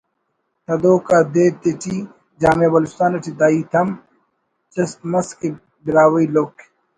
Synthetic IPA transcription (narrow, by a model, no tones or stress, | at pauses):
t̪ʰɐd̪oːkaːd̪eːt̪etʰi | d͡ʒaːmeːbɐlust̪aːnɐʈid̪aːiːt̪ʰɐm | t͡ʃɐst̪mɐske | biɾaːwɐilokʰ